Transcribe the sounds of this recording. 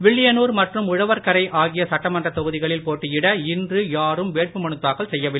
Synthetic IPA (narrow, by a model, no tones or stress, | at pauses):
ʋɪɭːɪjɐnuːɾmɐʈrɯmʊɻɐʋɐɾkɐɾɐɪʔaːɣɪjɐsɐʈːɐmɐndrɐt̪ːɔɣɯðɪɣɐɭɪlpoːʈːɯjɪɽɐɪndrɯjaːɾɯmʋeːʈ̚pɯmɐɳɯt̪ːaːɣɐɭsɛjːɐʋɪlːɐ